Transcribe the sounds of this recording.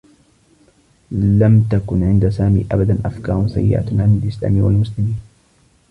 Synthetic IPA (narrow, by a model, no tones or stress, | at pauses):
lamt̪akʊnʕɪnd̪asaːmḭːʔabad̪anʔafkɑ̰ːɾˤsa̰jːɪ̰ʔa̰ʕanalʔɪsla̰ːmiwa̰lmʊslɪmiːn